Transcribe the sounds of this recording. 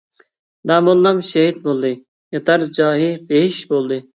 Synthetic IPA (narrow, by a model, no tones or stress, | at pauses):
d̪ɑːmolˠːɑmʃɛɦid̪̚bolˠd̪ɨ | jɑt̪ɑɾd͡ʒɑːɦibeɦiʃbolˠd̪ɨ